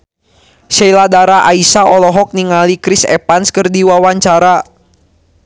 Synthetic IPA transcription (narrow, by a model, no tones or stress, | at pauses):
ʃɛiladaɾaʔaisaɔlɔɦɔk̚niŋalikɾisɛ̰panskərdiwawaɲt͡ʃaɾa